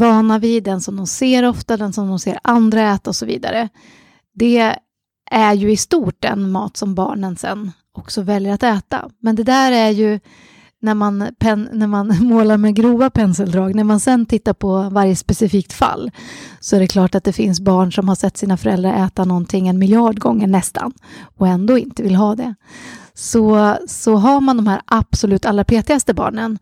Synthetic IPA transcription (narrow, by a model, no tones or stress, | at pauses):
vɑːnavɪd̪ɛnsɔmd̪ɔmseːɾɔft̪ad̪ɛnsɔmd̪ɔmsḛːɾand̪ɾaɛːt̪aɔsɔvḭːd̪a̰ɾə | d̪ɛ | ʔæɾjɵɪst̪uːʈ̚dɛ̰nmɑ̰ːt̪sɔmbɑ̰ːɳənsɛ̰nː | ɔksɔvɛljəɾat̪ɛːt̪a̰mɛnd̪ɛd̪æːɾæɾjɵ | næɾmanpʰɛnnæɾmanmoːlaɾmɛɡɾuːvapʰɛnsɛld̪ɾɑːɡnæɾmansɛnt̪ʰɪt̪ːaɾpʰɔvaɾjəspɛsɪfiːk̚t̪fa̰lːsɔæɖɛkʰlɑːʈat̪̚d̪ɛfɪnsbɑːɳʂɔmhaʂɛt̪ːsiːnafœɾɛ̰ld̪ɾaɾʔɛːt̪anɔnt̪ʰɪŋːɛnmɪljɑːɖɡɔŋːəɳɛst̪ʰa̰nɔɛnd̪oːɪnt̪əvɪlɦɑːd̪ɛ | sɔsɔɦaɾmand̪ɔmhæːɾʔab̥sɔlʉ̟ːt̪alɾapʰeːt̪ɪɡast̪əbɑ̰ːɳən